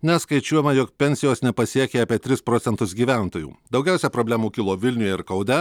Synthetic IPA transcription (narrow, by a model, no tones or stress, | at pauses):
nʲɛskɐɪt͡ʃʲuɔjɛmɐjɔkpʲɛnʲsʲɪjoːsnʲɛpɐsʲiɛkʲeːɑːpʲiɛt̪ʲɾʲɪspɾoːt̪sʲɛnt̪ʊsɡʲiːʋʲæˑnt̪oːjṵːd̪ɒʊɡʲæˑʊsʲɛpɾoːbʲlʲæːmuːkʲɪlˠoːʋʲɪlʲnʲʊjɛɪɾkɐʊd̪ʲɛ